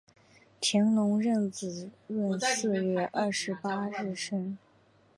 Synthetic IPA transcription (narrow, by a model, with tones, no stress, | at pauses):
t̪ʰi˧˥ŋlʊ˧˥ŋɻə˥˩nt͡sɹ̩˨˩ɻə˥˧nsɹ̩˥˧ɥɛ˥˩ʔɐ˞˥˩ʂɻ̩˧˥pa˥ɻɻ̩˥˩ʂə˥ŋ